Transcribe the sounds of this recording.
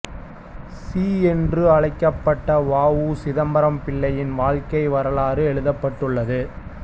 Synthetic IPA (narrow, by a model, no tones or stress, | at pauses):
siːɛndrɯɐɻɐɪkːɐpːɐʈːɐʋaːʋusɪðɐmbɐɾɐmpɪɭːɐjɪnʋaːɻkɐɪʋɐɾɐɭaːrɯɛɭɯðɐpːɐʈːɯɭːɐðɯ